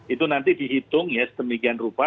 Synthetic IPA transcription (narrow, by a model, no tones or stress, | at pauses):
it̪unant̪idiɦit̪ʊŋjasə̥d̪əmikianrupa